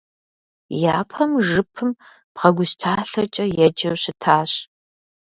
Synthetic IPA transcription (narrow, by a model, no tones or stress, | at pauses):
jaːpʰɐmʒɨpʰɨm | pʁɐɡʷʊstʰaːɬɐt͡ʃʼɐjɛd͡ʒɐwɕɪtʰaːɕ